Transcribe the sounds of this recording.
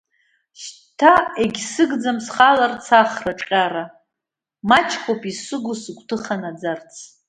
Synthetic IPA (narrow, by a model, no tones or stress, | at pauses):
ʃ | tʰaeɡʲsɨɡd͡zamsχalart͡sʰaχraʈ͡ʂʼqʲʼaɾa | mat͡ʃʰkʷʰopʼisɨɡʊsɨɡʷtʰɨχanad͡zart͡sʰ